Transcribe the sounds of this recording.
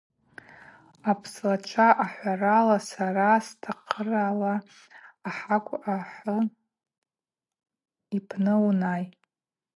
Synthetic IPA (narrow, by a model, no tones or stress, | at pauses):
apʰslaʈ͡ʂʷʰaʔaħʷaralasarastʰaqʰəralaː | ħakʷʼʔaħə | ipʰnɨwnaj